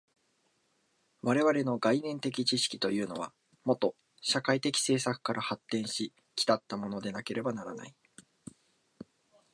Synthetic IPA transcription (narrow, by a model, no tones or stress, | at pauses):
βaɾe̞βaɾe̞no̞ɡainẽ̞nt̪e̞k̬ʲit͡ɕiɕi̥kʲi̥t̪o̞jɯ̟ːno̞β̞a̰ | mo̞t̪o̞ | ɕakait̪e̞kʲi̥se̞ːsakɯ̟̥kaɾʔahat̪ːẽ̞ɰ̃ɕi | kʲi̥t̪at̪ːamo̞no̞d̪e̞nake̞ɾe̞banaɾana̰i